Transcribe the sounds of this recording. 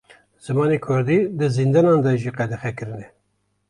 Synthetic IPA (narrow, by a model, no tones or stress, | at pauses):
z̥ɨmɑːnekʰʊɾd̪id̪ɨzind̪ɛnɑnd̪ɑʒiːqɛd̪ɛxɛkɨɾɨnɛ